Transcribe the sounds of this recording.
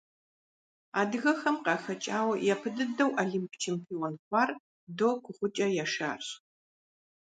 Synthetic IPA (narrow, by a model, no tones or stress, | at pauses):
a̰ːdɨɣɐxɐmqɑːxɐt͡ʃʼaːwɐjapʰɨdɨdɐwʔɐɮimpʰt͡ʃʰeːmpʰiːonxʷɑːr | doːkʷʰʊχʷʊt͡ʃʼɐjaːʃa̰ːrɕ